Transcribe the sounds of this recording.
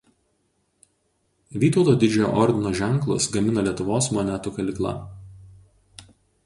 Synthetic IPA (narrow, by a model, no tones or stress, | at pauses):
ʋʲiːt̪ɒʊt̪oːd̪ʲɪd͡ʒʲɛjo̰ːʔɔɾʲd̪ʲɪnoːʒʲɛŋklˠʊ̰sɡɐmʲɪnɐlʲiɛt̪ʊʋoːsmɔnʲæt̪ukɐlʲɪklˠɐ̰